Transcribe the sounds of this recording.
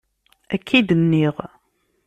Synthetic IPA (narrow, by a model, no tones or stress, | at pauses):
ækʰːid̪ənːiʁ